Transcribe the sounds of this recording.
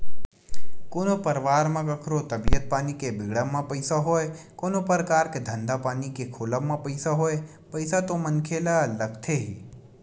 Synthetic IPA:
koːnopəɾʋaːɾmãkəkʰɾot̪əbijət̪̚paːnikebɪɡɽamãpəɪsaɦoːekoːnopəɾəkaːɾked̪ʱə̃nd̪apaːnikekʰoːlamãpəɪsaɦoːe | pəɪsat̪omənkʰelaləkʰt̪ʰeɦiː

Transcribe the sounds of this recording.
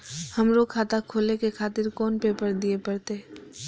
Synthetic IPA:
hɐmɾokʰaːt̪akʰoːlekekʰaːt̪ɪɾkɔːnpeːpəɾd̪iepɐɽt̪e

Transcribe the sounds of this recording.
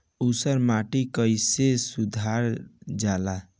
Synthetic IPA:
usəɾmaʈikəjsesud̪ʱaɾd͡ʒala

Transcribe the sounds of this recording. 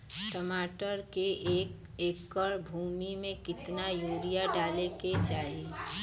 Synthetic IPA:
ʈəmaːʈəɾkeeːk | eːkːəɾbʱuːmimẽkɪt̪najoːɾijaɖaːleket͡ʃaːɦie

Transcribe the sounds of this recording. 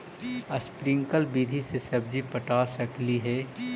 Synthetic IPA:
əspɾɪ̃ŋkəlbid̪ʱisesɐb̚d͡ʒipəʈaːsəkliɦɛː

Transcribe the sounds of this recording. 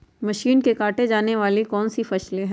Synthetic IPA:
mɐʃiːnkekaːʈed͡ʒaːneʋaːlikɔːnsifɐʃleɦ

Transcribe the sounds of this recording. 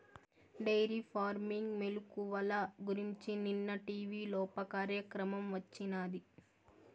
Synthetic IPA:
ɖɐjɾipʰaːɾmiŋɡmelukuʋɐlɐɡuɾiɲt͡ʃininːɐʈiːʋiːlɔːpɐkaːɾjɐkɾɐmɐmʋɐt͡ʃːinaːd̪i

